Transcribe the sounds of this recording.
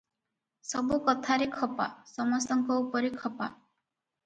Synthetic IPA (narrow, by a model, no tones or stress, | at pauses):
sɔbukɔt̪ʰaɾekʰɔpa̰sɔmɔst̪ɔŋkɔupɔɾekʰɔpa̰